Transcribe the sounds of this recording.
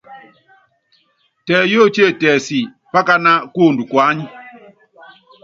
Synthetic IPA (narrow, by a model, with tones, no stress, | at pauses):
tɛː˨jo˦˨t͡ʃe˦˨tɛː˨si˨ | pa˦ka˦na˦ko˦˨ndu˨kwa˦ɲi˦